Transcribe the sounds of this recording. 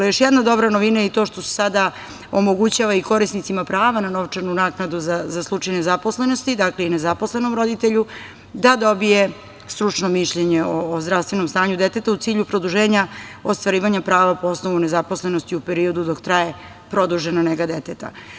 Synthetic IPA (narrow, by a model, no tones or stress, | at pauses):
jo̞ʃjɛd̪nad̪o̞bɾanoʋinajeit̪o̞ːʃt̪o̞se̥sad̪a | omoɡut͡ɕaʋaiko̞ɾisnit̪simapɾaːʋanano̞ʋt͡ʂaɾnunaːknad̪uzazaslˠut͡ʃajnezapo̞sle̞no̞st̪id̪akleinezapo̞slˠe̞no̞mɾo̞d̪it̪eʎu | d̪ad̪o̞bije̞ | st̪ɾut͡ʂnomiʃʎeɲeoːzd̪ɾaʋst̪ʋe̞nomst̪aːɲud̪et̪e̞t̪aut̪iːʎupɾo̞d̪uʒeːɲaost̪ʋaɾiːʋaɲapɾaːʋapoosnoʋune̞zaposle̞nost̪iupe̞ɾio̞d̪ud̪o̞kt̪ɾaje̞ | pɾo̞d̪uʒenaneɡad̪et̪et̪a̰